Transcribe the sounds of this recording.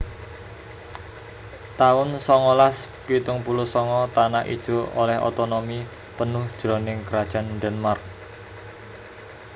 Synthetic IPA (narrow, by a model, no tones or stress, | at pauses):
t̪aʊnsɔŋɔlaspit̪ʊŋpulʊsɔŋɔt̪anaʔḭd̥ʒ̥o̤ʔolɛho̰t̪onomi | pənʊhd̥ʒ̥ɾɔ̤nɪŋkɾad̥ʒ̥a̤nd̪ɛnmark̚